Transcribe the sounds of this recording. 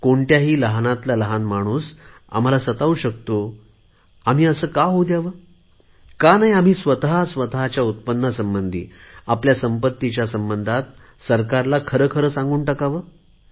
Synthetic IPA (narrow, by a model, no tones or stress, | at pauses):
koɳʈjaɦiːləɦnat̪laləɦanmaɽ̃uːs | a̰m̤alasət̪aʋuːɕək̚t̪o | am̤iːəsəːkaɦod̪jaʋəː | kanaɦiam̤iːsʋət̪ɦasʋət̪əɦat͡ɕjaut̪̚pənːasəmbənd̪ʱḭːapljasəmpət̪ːit͡ɕjasəmbənd̪ʱat̪̚ | səɾkaɾlakʰəɾəːkʰəɾəːsãŋɡuːɳʈəkaʋəː